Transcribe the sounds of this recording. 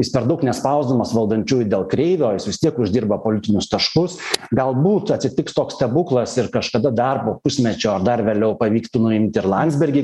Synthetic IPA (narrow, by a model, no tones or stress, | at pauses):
jɪspʲɛɾd̪ɐʊknʲɛspɐʊzd̪omɐsʋɐlˠd̪ɐnʲt͡ʃʲuːjd̪ʲeːlˠkɾʲɛɪʋʲoːjɪsʋʲɪst̪ʲiɛkʊʒʲd̪ʲiːrbɐpoːlʲɪt̪ʲɪnʲʊst̪ɐʃkʊsɡɐlˠbuːt̪ɐtʲsʲɪt̪ʲɪkst̪oːkst̪ʲɛbʊklˠɐsɪɾkɐʃkɐd̪ɐd̪ɐrpoːpʊsʲmʲɛt͡ʃʲoːɐrd̪ɐrʋʲeːlʲɛʊpɐʋʲiːkt̪ʊnʊɪmʲt̪ʲɪɾlˠɐnʲd̪zʲbʲɛɾʲɡʲɪ